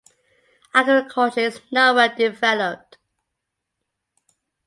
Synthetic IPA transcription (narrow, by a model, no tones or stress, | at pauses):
aɡɹɪkʰəltəɪznɛwədɪvɛləp̚t